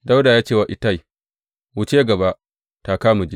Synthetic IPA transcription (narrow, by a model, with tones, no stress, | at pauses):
da˦wda˨jaː˦t͡ʃeː˦˨wa˨ʔɪ˨ta˦˨j | wʊ˦t͡ʃeː˦ɡɐ˨ba˦ʔ | ta˨kaː˦mu˨d͡ʒe˦